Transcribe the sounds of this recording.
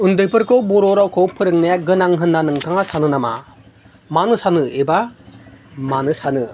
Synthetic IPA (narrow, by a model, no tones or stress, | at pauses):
und̪ɯjpʰɯɾkowbuɾɔɾawkʰowpʰɯɾɯŋnajaɡɯnaŋɦɯnːanɯŋkʰaŋasanɯnama̰ | manɯsanɯeba | manɯsanɯ